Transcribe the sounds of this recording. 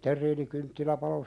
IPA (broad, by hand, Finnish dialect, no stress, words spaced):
terˑiːnikyntːilæ pɑlo